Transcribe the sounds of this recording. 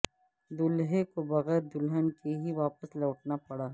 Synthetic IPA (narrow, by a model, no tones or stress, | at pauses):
d̪ʊlɦekobɐɣɛːɾd̪ʊlɦənkeɦiʋaːpəsloːʈnapɐɽaː